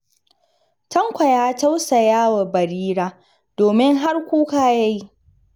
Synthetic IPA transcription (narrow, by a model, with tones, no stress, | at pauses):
tɐ˦ŋkʷa˨jaː˦ta˦wsa˨jaː˦wa˨bɐ˨ɾiː˦ɾaː˦ | d̥oː˨mɪ˦ŋɦa˦rkʷuː˦kaː˦ja˦ji˦ʔ